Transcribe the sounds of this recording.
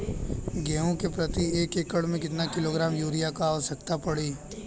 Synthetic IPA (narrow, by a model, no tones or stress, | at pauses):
ɡɛːõkepɾɐt̪ieːkeːkəɽmẽkɪt̪nakɪloːɡɾaːmjuːɾijakaːʋəʃɐkt̪apɐɽiː